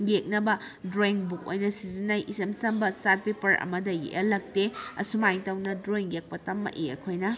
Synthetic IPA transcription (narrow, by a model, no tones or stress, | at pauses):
ŋjek̚nɐbɐ | dɾoiŋbuk̚o̰jnɐsizinːajʔisemsɐmbɐsat̚pepɐɾʔɐ̰mɐdɐjḛʔɐlɐk̚teɐ̰sumajŋtɐwnɐdɾoiŋjek̚pɐtɐmːɐ̰ʔiɐ̰kʰojnɐ